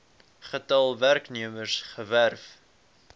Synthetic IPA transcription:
χətɐlˠværkniəmərsχəværf

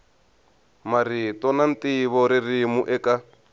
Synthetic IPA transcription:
maɾitɔnant̪iβɔɾirimuʔɛka

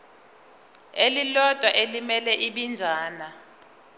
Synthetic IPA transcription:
elilɔd̥ʼʱwaʔelimɛlɛʔiɓind͡zʱaːna

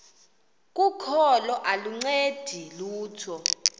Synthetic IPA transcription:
k̬ʼukʰɔlɔʔaluŋ͡ǀed̥ʱiluːtʰɔ

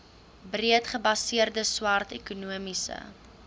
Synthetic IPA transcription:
briətχəbɐsiərdəswɐrtɛkunuəmisə̰

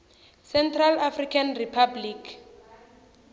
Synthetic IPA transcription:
sɛntʰralafrikʰanripʰablikʰ

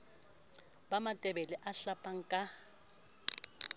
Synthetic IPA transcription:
bamatʼɛbɛlɛʔaɬapʼaŋ̩kʼa

